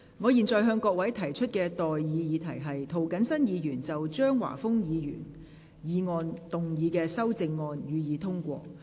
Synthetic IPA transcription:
ŋɔː˨˧jiː˨˩nt͡sɔː˨˩jɦœː˧ŋkɔː˧k̚wɐ˨˥jt̪ʰɐ˨˩jt͡ʃʰɵ˥t̚kɛː˧t̪ɔː˨jjiː˨˧jiː˨˧t̪ʰɐ˨˩jɦɐ˨jt̪ʰo˨˩wkɐ˨˥nsɐ˥njiː˨˧jyː˨˩nt͡sɐ˨wt͡ʃœː˥ŋwa̰ː˨˩fʊ˥ŋjiː˨˧jy̰ː˨˩n | jiː˨˧ŋɔː˧nt̪ʊ˨ŋjiː˨˧kɛː˧sɐ˥wt͡sɪ˧ŋːɔː˧njyː˨˧jiː˨˧t̪ʰʊ˥ŋkʷɔ̰ː˧

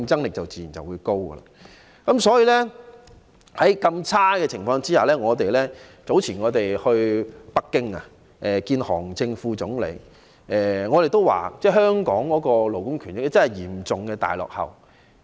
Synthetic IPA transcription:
ŋt͡sɐ˥ŋlɪ˨k̚t͡sɐ˨wt͡siː˨ji˨˩nt͡sɐ˨wuː˨˧jko˥wɡə̰˧la̰˨˩ | kɐ˨˦˥msɔː˨˥jiː˨˧lɛ˥ | hɐ˨˥jkɐ˧mt͡sʰaː˥kɛː˧t͡sʰɪ˨˩ŋfɔː˧ŋt͡siː˥haː˨˩lɛː˥ŋɔː˨˧t̪e˨jlɛː˥t͡so˨˥wt͡sʰiː˨˩nŋɔː˨˧t̪e˨˩jhɵ˧ɥpɐ˥kːɪ˥ŋɐ̰˨ | ʔɛː˨kiː˧nhɔ̰ː˨˩ŋt͡sɪ˧ŋfuː˧t͡sʊ˨˥ŋlḛ˨˧˥j | ʔɛː˨˩ŋɔː˨˧t̪e˨jt̪o˥wa̰ː˨t͡sɛː˥˩ɦœː˥ŋkɔː˨˥ŋkɔː˨˥kɔː˧lo˨˩wkʊ˥ŋkʰy˨˩njɪ˨k̚lɛ˥t͡sɐ˥nhɐ˨jiː˨˩mt͡sʊ˨˩ŋkɛː˧t̪a̰ː˨jlɔ̰ː˨k̚hɐ̰˨˩w

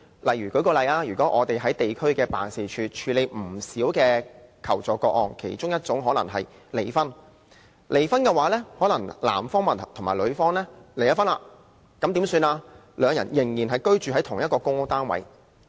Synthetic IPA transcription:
lɐ˨jɥyː˨˩kɵ˨˧˥jkɔː˧lɐ˨˧jaː˧jyː˨kɔː˨˥ʔɔ̰ː˨˧t̪e˨jɦɐ˨˥jt̪e˨jkʰɵ˥ɥkɛː˧pa̰ː˨nsi˨t͡ʃʰyː˨˧t͡ʃʰyː˨˧le˨˧jm̩˨˩siː˨˥wkɛː˧kʰɐ˨˩wt͡sɔː˨kɔː˧k̚ɔ̰ː˨˧nkʰḛ˨˩jt͡sʊ˥ŋjɐ˥t̚t͡sʊ˨˥ŋɦɔː˨˥nɐ̰˨˩ŋɦɐ˨j | le˨˩jfɐ˥n | lʔe˨˩jfɐ˥nkɛː˧waː˨˥lɛː˥hɔː˨˥nɐ˨˩ŋla̰ː˨˩mfɔː˥ŋmɐ˨˩ntʰʊ˨˩maː˨˩jlɵ˨˧ɥfɔː˥ŋlɛː˥ljɐ˥tfɐ˥nlaː˧ | kɐ˨˥mt̪iː˨˥msyː˧naː˧ | lœː˨˧ŋjɐ̰˨˩njɪ˨˩ŋjiː˨˩nɦɐ˨jkɵ˥ɥt͡ʃyː˨ɦɐ˨˥jt̪ʰʊ˨˩ŋjɐ˥t̚kɔː˧kʊ˥ŋt̪aː˥nwɐ̰˨˥j

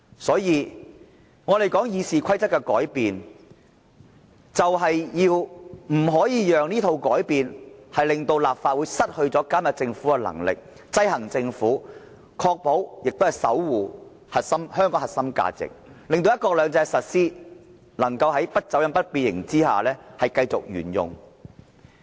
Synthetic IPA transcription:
sɔː˨˥jiː˧ | ŋɔː˨˧le˨jkɔː˨˥ŋjiː˨˧siː˨kʷʰɐ˥jt͡sɐ˥tkɛ˧kɔ̰ː˨˥jpiː˨n | t͡sɐ˨wɦɐ˨jjiː˧wm̩˨˩ɦɔː˨˥jiː˨˧jœː˨˩ŋniː˥t̪ʰo˧wkɔː˨˥jpiː˨nhɐ˨jlɪ˨ŋt̪o˧wlaː˨p̚faː˧t̚wuː˨˧jsɐ˥t̚hɵ˧ɥt͡sɔː˨˥ka˥mjɐ˨t̚t͡sɪ˧ŋfuː˨˥kɛ˧lɐ̰˨˩ŋlɪ̰˨k̚ | t͡sɐ˥jɦɐ˨˩ŋt͡sɪ˧ŋfuː˨˥ | kʰɔː˧k̚po˨˥wjɪ˨k̚t̪o˥hɐ˨jsɐ̰˨˥wwuː˨˩ | hɐ˨t̚sɐ˥mhœː˥ŋkɔː˨˥ŋhɐ˨t̚sɐ˥mka̰ː˧t͡sɪ̰˨k̚lɪ˨ŋt̪o˧jɐ˥t̚kɔː˧k̚lœː˨˧ŋt͡sɛː˧sɐ˨t̚siː˥ | nɐ˨˩ŋkɐ˧wɦɐ˨˥jpɐ˥t̚t͡sɐ˨˥wjɐ˨˧npɐ˥t̚piː˧t̚jɪ̰˨˩ŋt͡siː˥ha̰ː˨˩lɛː˥hɐ˨jkɐ˧jt͡sʊ̰˨k̚jy̰ː˨˩njʊ̰˨ŋ

